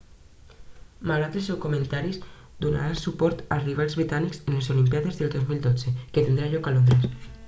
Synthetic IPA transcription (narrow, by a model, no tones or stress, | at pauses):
maɣɾat̪elsɛwkumẽnt̪aɾiz | d̪una̰ɾasupɔɾt̪alzriβ̞alˠzβɾit̪aniksenlezolimpjaðezðelˠd̪ozmilˠd̪ɔz̥eket̪end̪ɾaʎɔkalond̪ɾes